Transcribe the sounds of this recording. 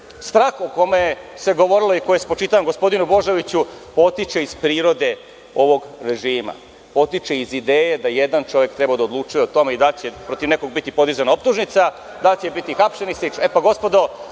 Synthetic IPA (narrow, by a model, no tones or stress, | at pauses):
st̪ɾaːxoko̞mejeseɡo̞ʋo̞ɾiloikojespot͡ʃit̪aʋamɡo̞spo̞d̪inubo̞ʒeʋit͡ɕupo̞t̪it͡ʃe̞iz̥pɾiːɾo̞d̪e̞ | o̞ʋo̞ɡɾe̞ʒiːma̰ | po̞t̪it͡ʃe̞izid̪eːjed̪ajed̪ant͡ʃo̞ʋje̞kt̪ɾe̞bad̪aod̪lˠuːt͡ʃuje̞ot̪o̞meid̪alt͡ɕepɾo̞t̪iʋnekoɡ̚bit̪ipo̞d̪izanaop̚t̪uʒnit̪sa | d̪alt͡ɕebit̪ixapʃenislit͡ʃepaɡo̞spo̞d̪o̞